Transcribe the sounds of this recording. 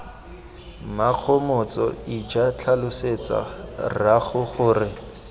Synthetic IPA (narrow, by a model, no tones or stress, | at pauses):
maq͡χʰɔmɔt͡sɔ̰id͡ʒat͡ɬʰalʊset͡sa̰raχʊχʊːrɪ